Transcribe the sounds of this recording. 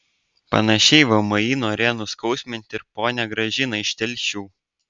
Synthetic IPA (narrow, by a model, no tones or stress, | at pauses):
pɐ̰nɐʃʲɛɪʋɐmɐiːnoːɾʲeːnʊskɒʊsʲmʲɪnʲt̪ʲɪɾpoːnʲɛɡɾɐʒʲɪnɐɪʃʲt̪ʲɛlʲˑʃʲuː